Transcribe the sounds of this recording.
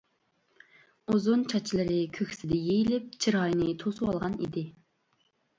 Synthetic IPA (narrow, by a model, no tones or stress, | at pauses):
uzunt͡ʃʰɑt͡ʃʰilˠɨɾɪkʲʰøkʲsɪd̪ɛjejilɪp̚t͡ʃʰiɾɑjinɪt̪ʰosuwɑlˠʁɑnḭd̪ɪ